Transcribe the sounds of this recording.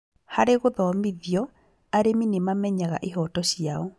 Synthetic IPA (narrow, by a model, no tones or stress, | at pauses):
haɾeɣoðɔɔmiðjɔ | aɾeminemamɛɲaɣa̰ʔeɦɔtɔɕjaɔ